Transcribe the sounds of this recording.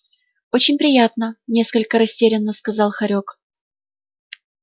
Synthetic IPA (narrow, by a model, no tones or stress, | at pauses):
o̞t͡ɕɪnʲpɾʲɪjat̪nənʲe̞skəlʲkəɾɐsʲtʲeɾʲɪnːəskɐzɑlˠxɐɾʲok